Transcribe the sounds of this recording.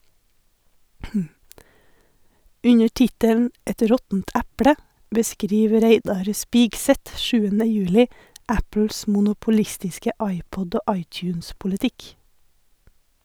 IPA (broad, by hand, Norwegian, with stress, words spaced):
ˈʉɲəɾ ˈtɪtəln̩ ˈɛt ˈɾɔtn̩t ˈɛpɽə bəˈskɾiːʋ ˈɾeɪdɑɾ ˈspiːɡˌsɛt ˈʃʉːənə ˈjʉːlɪ ˈæpl̩s mʊnʊpʊˈlɪstɪskə ˈɑɪˌpɔd ˈoː ˈɑɪˌtjʉːnspʊləˌtɪk